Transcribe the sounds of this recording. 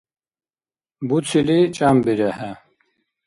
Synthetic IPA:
but͡sʰilit͡ɕʼambiɾɐhɐ

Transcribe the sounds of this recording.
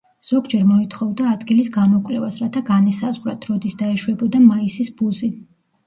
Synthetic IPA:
z̥ɔɡd͡ʒɛɾmɔit̪ʰχɔvd̪aːd̪ɡilisɡanɔkʼlɛvasɾat̪ʰaɡanɛsazʁwɾat̪ʰɾɔd̪isd̪aɛʃwɛbɔd̪amaisisbuzi

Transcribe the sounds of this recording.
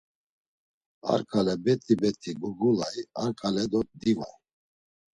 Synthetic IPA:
a̰ɾkʰʼalɛbɛt̪ʼibɛt̪ʼʰiɡuɡulajaɾkʼalɛd̪ɔd̪iva̰

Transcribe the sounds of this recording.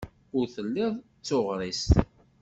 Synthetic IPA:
ʊɾθəlːɪðˤ | t͡sːoʁɾˤis

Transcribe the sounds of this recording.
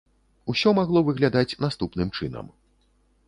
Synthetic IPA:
usʲɔmaɣlˠɔvɨɣlʲad̪at͡sʲnast̪upnɨmt͡ʂɨnɐ̰m

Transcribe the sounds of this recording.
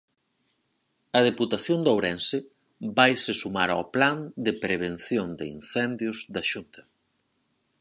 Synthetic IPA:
ɐð̞eput̪aθjond̪owɾɛnsɪ | bajsɪsumaɾa̰pland̪ɪpɾeβ̞en̟θjond̪ɪḭnθɛnd̪jʊzðɐʃunt̪ʰɐ̥

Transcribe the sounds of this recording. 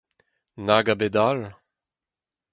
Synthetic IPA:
naɡabedal

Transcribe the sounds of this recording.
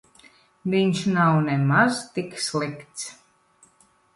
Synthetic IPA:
vʲiɲʲʃnawnɛmazt̪ikslˠikt̪s

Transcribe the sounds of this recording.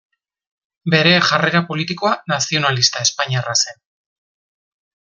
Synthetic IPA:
be̞ɾe̞ʝareɾapo̞lit̪iko̞anasio̞nalist̪ae̞spaɲiarase̞n

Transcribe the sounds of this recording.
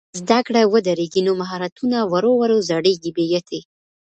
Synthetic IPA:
zd̪akɽawəd̪aɾeɡinomaɦɑɾat̪unawaɾowaɾawzaɽeɡibejat̪ʰe

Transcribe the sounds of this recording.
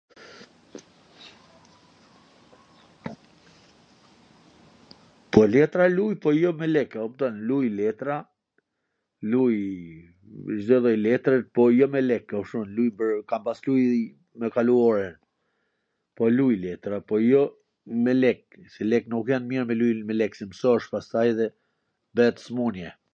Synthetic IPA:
pɔlɛt̪ɾalujpɔjɔmɛlɛkumt̪ɔnlujlɛt̪ɾa | luj | zdɛðɔjlɛt̪ɾɛt̪̚pɔjɔmɛlɛkːaʃunlujpəɾkampasluj | mɛkaluɔɾɛn | pɔlujlɛt̪ɾapɔjɔ | mɛlɛk̚sɛlɛknukjanmiɾmɛlujnmɛlɛksɛməsɔʃpast̪ajðɛ | bɛt̪ə̥smunjɛ

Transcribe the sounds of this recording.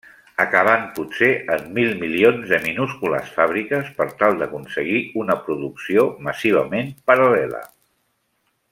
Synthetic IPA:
əkəβ̞ampuseʔəmːilˠmilionzðəminuskulə̰sfaβ̞ɾikəspəɾt̪alˠd̪əkunsəɣ̞iunəpɾuðuksioməsiβ̞əmempəɾəlɛlə̰

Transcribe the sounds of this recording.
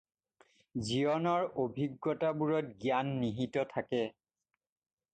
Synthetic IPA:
zijɔnɔɹobʱiɡːɔtabuɹɔt̚ɡjanːiɦitɔtʰakɛ

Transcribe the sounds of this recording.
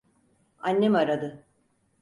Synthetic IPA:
anʲːemaɾad̪ɯ

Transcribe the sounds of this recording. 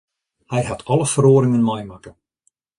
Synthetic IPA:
hɛjhatʰɔlˠəfəroːɾɪŋənmɔjmakə

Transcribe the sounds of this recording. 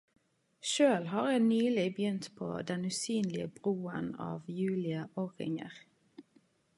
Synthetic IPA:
ʃøːlɦɑːʁjænyːlɪbjʏnt̪pʰo̰ːd̪ɛnʉːsyːnlɪəbʁuːə̰nɑ̰ːʋjʉːlɪəʔoʁɪ̰ŋə̰ʁ

